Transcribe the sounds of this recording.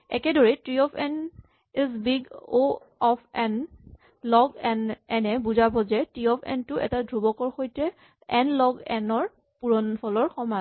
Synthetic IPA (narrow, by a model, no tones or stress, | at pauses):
ɛkɛdoɹitɹiɔpʰɛn | izbiɡo | ɔpʰɛn | lɔɡɛnɛnɛbuzabɔzɛtɹiɔpʰɛ̰ntʊɛ̰tadʱɹubɔkɔɹxojtɛ | ɛnlɔɡɛnɔɹ | puɹɔnpʰɔlɔɹxɔma